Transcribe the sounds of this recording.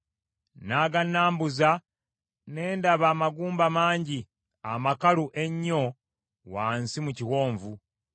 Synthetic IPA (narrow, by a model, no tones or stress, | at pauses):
naːɡanːaːmbuza | ne̞ːndaβaːmaɡuːmbamaːɲɟi | amakaluʔe̞ɲːo̞ | waːnsimuciwo̞ːɱvu